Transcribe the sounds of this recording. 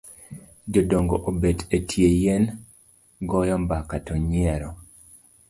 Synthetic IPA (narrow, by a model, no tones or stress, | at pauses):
d͡ʒodoŋɡoʔobedetʰjejen | ɡɔjɔmbakatɔɲiɛɾɔ